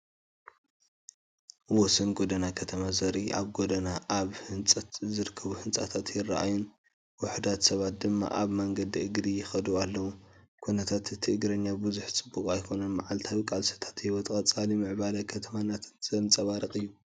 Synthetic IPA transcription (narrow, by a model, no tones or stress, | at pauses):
wɔsɐnɡod̪ɐnakʰɐt̪ʰɐmazɐɾiʔa̰βɡo̞d̪ɐnaʔaβhɨnt͡sʼɐt̪zɨɾɨkʰːɐβuhɨnt͡sʼa̰t̪ʰat̪jɪrːa̰ʔa̰jun | wʊħd̪at̪sɐβat̪̚d̪ɨmːa̰ʔaβmɐŋɡɐd̪iʔɨɡd̪ijɪxɐd̪ualːɐwu | kʰunɐt̪ʰat̪ɨt̪ʰiɨɡɾɐɲːabɨzuħt͡sʼɨbːukʼajkʰo̞nɐnmaʕalt̪ʰawikʼalsɐ̥t̪ʰḁt̪jɛwɐt̪ʼkʼɐt͡sʼalimɨʕbalɐkʰɐt̪ʰɐmanat̪ʰɨ̥nzɐmt͡sʼɐβaɾɐkʼɨjːu